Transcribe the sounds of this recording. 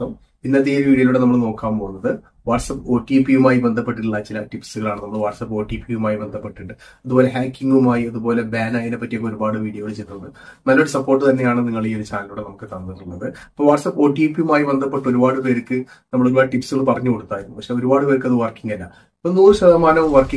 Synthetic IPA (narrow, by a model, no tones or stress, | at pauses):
ɐm | inːɐt̪ːeːʋiːɽijɐluːɽe̞nɐmːɐɭno̞ːkːaːmpoːunːɐðɨ | ʋaːʈsɐpːo̞ːʈːipːijumaːjibend̪ʱɐpːeʈːiʈuɭːɐt͡ɕilɐʈipsɨɣɐɭaːɳɨnɐmːɐɭʋaːʈsɐpːo̞ːʈiːpijumaːjibe̞nd̪ʱɐpːe̞ʈːiʈːɨ | ɐðubo̞ːle̞ɦaːkːiŋɡumaːjiɐðubo̞ːlebaːnaːjinepːɐtːijɐkːoɾubaːɽɨʋiːɽijɐɣɐɭt͡ɕejt̪unːɐðɨmɐlːoɽesɐpːo̞ːrʈːɨt̪ɐnːe̞jaːɳɨniŋːɐɭio̞ɾut͡ɕaːnɐluːɽenɐmukːɨt̪ɐnːiʈːuɳːɐðɨɐpːoːʋaʈsɐpːo̞ːʈːipːiumaːjibe̞nd̪ʱɐpːe̞ʈːo̞ɾubaːɽɨpe̞ːɾɨkːɨnɐmɐɭoɾubaːɽɨʈipːsɨɣɐɭːɨpɐrɐɲːuko̞ɽut̪ːaːjiɾunːupɐkʂeo̞ɾubaːɽɨpeːɾk̬ːɨɐðɨʋɐrkiŋɡɐlːɐ | pːonuːɾɕɐðɐmaːnɐmʋɐrkːi